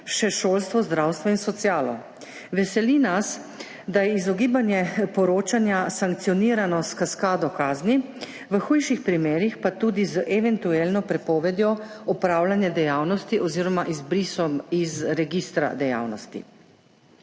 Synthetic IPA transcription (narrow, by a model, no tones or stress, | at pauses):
ʃɛʃoːlst̪ʋɔzd̪ɾawst̪ʋɔinsɔt̪sjaːlɔ | ʋɛsɛlinas | d̪ajɛizɔɡiːbanjɛpɔɾoːt͡ʃanjasaŋk̚t̪sijɔniːɾanɔskaskaːd̪ɔkaːzni | ʋəxujʃixpɾimeːɾixpat̪uːd̪izəʔɛʋɛnt̪uelnɔpɾɛpɔːʋɛd̪jɔ | ɔpɾaːwlanjad̪ɛjaːwnɔst̪iʔɔziːɾɔmaʔizbɾisɔmizɾɛɡist̪ɾa̰d̪ɛja̰ːwnɔst̪ḭ